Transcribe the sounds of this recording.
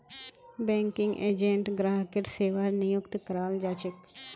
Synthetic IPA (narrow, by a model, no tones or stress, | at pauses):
bɛ̃ːŋkɪ̃ŋɡʔeːd͡ʒẽɳʈɡɾaːɦkeʈseːʋaːɾnɪjʊkt̪kəɾaːld͡ʒaːt͡ʃɪk